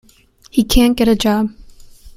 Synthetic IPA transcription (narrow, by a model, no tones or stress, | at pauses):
hikʰæ̃nɡ̥ɛɾɨd͡ʒɑb̥̚